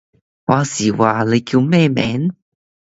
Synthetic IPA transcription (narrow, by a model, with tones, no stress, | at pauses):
wa˧si˨˩wa˧˩le˧kju˧me˥˧mɛ̰˨˦n